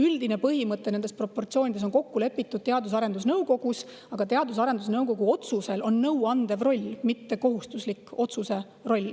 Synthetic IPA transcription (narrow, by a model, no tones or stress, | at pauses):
yld̪̥ine̞pɤɦimɤt̪ːˑe̞ne̞nd̪espro̞pːo̞rt̪sio̞ːnʲid̪eonko̞kːule̞pːit̪ːˑud̪̥̚t̪eɑd̪us̬ɑɾe̞nd̪̥usnɤwko̞ɡus | ɑɡ̥ɑt̪e̞ɑd̪us̬ɑɾe̞nd̪usnɤwko̞ɡuo̞t̪suse̞lo̞nːɤwɑnd̪̥evro̞lʲːmit̪ːe̞ko̞ɦust̪uslikːˑo̞t̪suse̞ | ro̞lʲː